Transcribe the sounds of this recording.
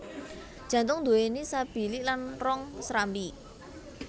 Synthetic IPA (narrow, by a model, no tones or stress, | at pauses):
dʒ̥ä̤nt̪ʊŋd̪o̤enisab̥i̤lɪʔlanrɔŋsɾambi